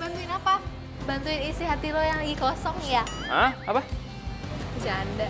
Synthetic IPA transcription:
bant̪uɪnapa | bant̪uɪnisiɦat̪ilojaŋləɡikɔsɔŋjaahapa | d͡ʒanda

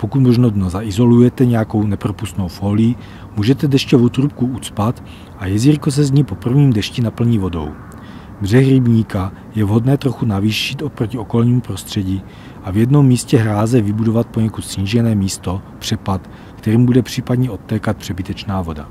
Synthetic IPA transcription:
po̞kut̪mo̞ʒnodnozaʔɪzo̞lujɛt̪ɛɲɛjako̞wnɛpɾo̞pust̪no̞wfoːlɪji | muːʒɛt̪ɛdɛʃcɛvot̪ɾup̚kuʔut͡spat̪ | ʔajɛziɾkos̬ɛzɲipo̞pr̩vɲiːmdɛʃcinapl̩ɲivo̞do̞̰w | br̝ɛxɾɪbɲiːka | jɛvɦo̞dnɛːt̪ɾo̞xunaviːʃit̪ʔopɾocio̞ko̞lɲiːmupɾo̞st̪r̝̥ɛɟiː | ʔavjɛdno̞mːiːscɛɦɾaːzɛvɪbudo̞vat̪̚po̞ɲɛkut̪sɲiːʒɛnɛːmiːst̪o̞pr̝̥ɛpat̪ | kt̪ɛɾiːmbudɛpr̥iːpadɲɛʔo̞t̪ːɛːkat̪̚pr̥ɛbɪt̪ɛt͡ʃnaːvo̞da̰

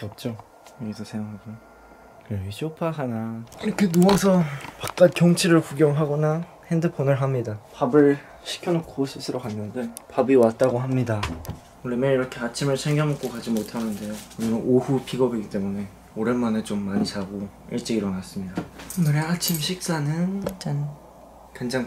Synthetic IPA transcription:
ʌp̚t͡ɕ͈o | jʌɡisʰʌsʰeŋjoŋɦaɡo | kɯʌɡiɕʰopʰaɦanaiɾʌkʰe̞nuasʰʌpak̚k͈akjʌŋt͡ɕʰiɾɯɭkuɡjʌŋɦaɡʌna | hendɯpʰonɯɭɦamɲidapabɯɭ | ɕʰi̥kʰjʌnokʰos͈ʰɯsʰɯɾokanːɯndepabiwat̚t͈aɡoɦamɲida | uɾemeiɾʌkʰe̞at͡ɕʰimɯɭsʰeŋɡjʌmok͈okad͡ʑimotʰanɯnde̞jonɯnɯnohupʰiɡʌbiɡit͈e̞mune̞ | oɾenmanet͡ɕomːaɲit͡ɕaɡo | iɭt͡ɕ͈eiɾʌnas͈ɯmɲidaɡɯɾeat͡ɕʰimɕʰik̚s͈anɯnt͡ɕan | keŋd͡ʑaŋ

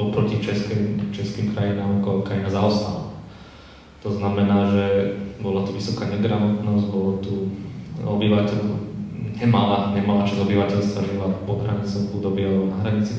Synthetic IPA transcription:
ɔlpɾɔcit͡ʃɛskɛmt͡ʃɛskiːmkɾajinaːmkɔkɾainazaɔst̪a̰la̰ | t̪ɔznamɛnaːʒɛbɔlat̪uʋisɔkaːɲɛd̪ɾaʋɔt̪nɔzɟbɔlɔt̪u | ɔ̰biʋacɛlɲɛmalaɲɛmalat͡ʃazɔbiʋacɛʎst̪aʒilapɔɦɾaɲɛsauːd̪ɔbialɛbɔnaɦɾaɲit͡si

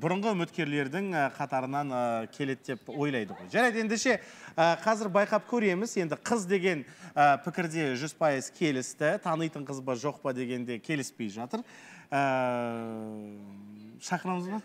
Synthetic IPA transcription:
bʊɾʊɴʁəʏmɪt̪kʲe̞ɾle̞ɾd̪ɪŋəqʰɑt̪ɑɾənɑnəkʲʰe̞le̞t̪d̪e̞pwo̞jlˠɑjd̪əʁo̞jʒæɾɑjd̪əe̞nd̪eʃe̞əqʰɑzɪɾbɑjqɑp̚kʲʰɵɾe̞mɪzje̞nd̪ɪqʰəzd̪e̞ɡʲe̞nəpʰɪkʲɪɾd̪e̞ʒʏzpʰɑjəzkʲʰe̞lɪst̪ɪt̪ʰɑnəjt̪əɴqʰəzbəʒo̞q̚pəd̪e̞ɡʲe̞nd̪e̞kʲʰe̞lɪspe̞jʒɑt̪əɾə | ʃɑqənəməzmɑ

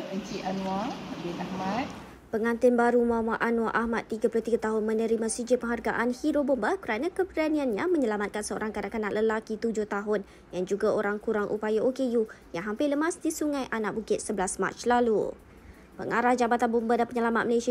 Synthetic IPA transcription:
əɲt͡ʃiʔanwabinahmãt̪̚ | pəŋãnt̪ɪnbaɾumuamaʔanwaʔahmat̪ːiɡaploht̪iɡat̪aɦʊnmə̃nəɾimãsud͡ʒɪpəŋɦarɡa̰ʔanhiɾobombakəɾanãkəpəɾanĩanɲaməɲəlamat̪̚kansəo̰ɾʔaŋkadaʔkanaʔləlakit̪ud͡ʒʊht̪aɦʊn | jand͡ʒuɡaoɾaŋkuɾaŋʔṵpajaokejujaŋɦampɪləmasdisuŋãjʔanaʔ̚bukɪt̪̚səbəlasma̰t͡ʃlalṵ | pə̰ŋaɾahd͡ʒabat̪anbombadanpəɲəlamat̪̚məlesi

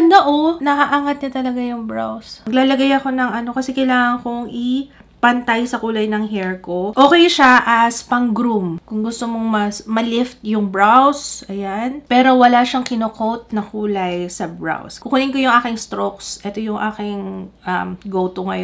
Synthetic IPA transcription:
ɐnoʔonɐkɐʔaːŋɐt̪̚ɲɐt̪ɐlɐɡajʊŋbɹa̰wsɐɡ̚laːlɐɡajɐko̞nɐŋɐno̞kɐsɛkɐjlaːŋɐŋkʊŋʔɪ | pɐnt̪ajsɐkuːlɐjnɐŋɦɛɹkoʔo̞ːkɛjʃaʔɐspɐŋɡɾumkʊŋɡʊst̪omoŋmɐsmɐlɪft̪̚jʊŋbɹawsʔɐjanpɛːɾo̞wɐlaʃɐŋkɪnokowt̪̚nɐkuːlɐjsɐbɹa̰wskʊkʊnɪŋkojʊŋʔaːkɪŋst̪ɾoksʔɛt̪o̞jʊŋʔaːkɪŋʔɐ̰mɡowt̪oŋɐj

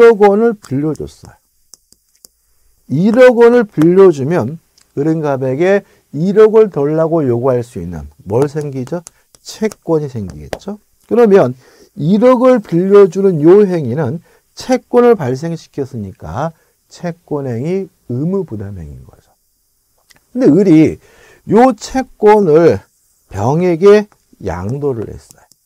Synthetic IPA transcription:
ʌɡʌnɯɭpuʎːʌd͡ʑo̰s͈ʌ̰jo | iɾʌɡʌnɯɭpiʎːʌd͡ʑumjʌn | kɯɾɯnɡabe̞ɡe̞ | iɾʌɡɯɭtʌɭːaɡojoɡuɦaɭs͈uinːɯ̰nmʌɭs̬ʰe̞ŋɡid͡ʑo | t͡ɕʰe̞k̚k͈wʌɲisʰe̞ŋɡḭɡe̞̰t̚t͡ɕ͈o | kɯɾʌmjʌn | iɾʌɡɯɭpiʎːʌd͡ʑunɯnjoɦe̞ŋinɯn | t͡ɕʰe̞k͈̚wʌnɯɭpaɭs̬e̞ŋɕʰi̥kʰjʌs͈ɯɲik͈a̰ | t͡ɕʰe̞k͈wʌnɦe̞ŋi | ɯmɯpudamɦe̞̰ŋḭnɡʌ̰d͡ʑo̥ | kɯnde̞ɯɾi | jot͡ɕʰe̞k͈̚wʌnɯɭ | pjʌŋe̞ɡe̞ | ja̰ŋdoɾɯ̰ɭhe̞̰sʌjo

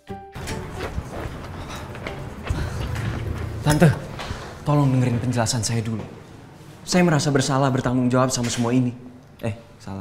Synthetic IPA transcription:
t̪ant̪əht̪ɔlɔŋnəŋəɾɪnpəɲd͡ʒəlasansajadulṵ | sajaməɾasabərsalahbərt̪aŋɡʊŋd͡ʒawap̚samasəmuaini | ʔɛh | sala

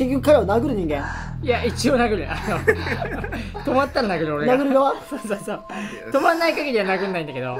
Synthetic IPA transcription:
eɡʲɯkaɾaβanaɡɯ̟ɾɯɲ̟ĩŋɡẽ̞ŋjait͡ɕio̞naɡɯ̟ɾɯ̟ʔano | t̪o̞mat̪ːaɾanaɡɯ̟ɾɯoɾenaɡɯ̟ɾɯ̟ɡaβasoːsosoː | t̪o̞manːaikaɡeɾʲiβanaɡɯ̟̃nːaĩnd̪ake̞d̪o̞̰

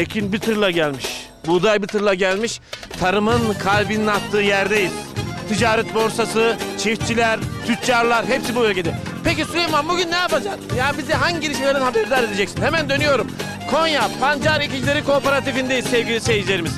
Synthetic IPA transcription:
ecʰinbit̪ʰɯɾlˠaɟælʲmiʃ | bud̪ajbit̪ʰɯɾlˠaɟælʲmiʃt̪ʰaɾɯmɯnkʰalʲbininat̪ʰːɯːjæɾd̪ejiz̥t̪ʰid͡ʒaːɾɛt̪̚bo̞ɾsasɯt͡ʃʰift͡ʃʰilʲæɾt̪ʰyt̪t͡ʃaɾlˠaɾɦepsibuø̞lʲcʰe̞d̪ɛ | pec̬isyɾejmambuɟynːɛjapad͡ʒasɯmjaːnibizd̪ɛɦaɲɟiɟiɾiʃmelʲeɾnnhabeɾd̪aɾed̪ed͡ʒɛcsinhemænd̪ø̞nyjo̞ɾum | kʰo̞njapʰand͡ʒaɾicid͡ʒilʲe̞ɾikʰo̞ːpaɾat̪ifind̪ejizsɛvɟʲilʲisɛvd͡ʒilʲe̞ɾimiz̥

